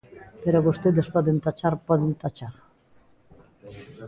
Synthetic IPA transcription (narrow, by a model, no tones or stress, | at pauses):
peɾoβust̪eðespɔðent̪at͡ʃaɾpɔðent̪at͡ʃaɾ